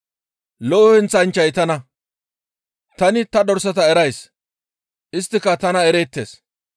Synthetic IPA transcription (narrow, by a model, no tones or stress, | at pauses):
lɔʔːhɛnt͡sːɐnt͡ʃːɐjt̪ɐnɐ | t̪ɐnɪt̪ɐd̪ɔɾsɐt̪ɐɛɾɐjs | ʔɪst̪ːɪkɐt̪ɐnɐɛɾeːt̪ːḛːs